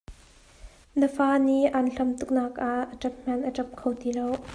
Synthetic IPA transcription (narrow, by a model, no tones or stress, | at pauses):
nəfaːniʔanɬɐmt̪uk̚naːkʔaʔəʈ͡ʂɐp̚m̥ɐnʔəʈ͡ʂɐp̚kʰowt̪ilow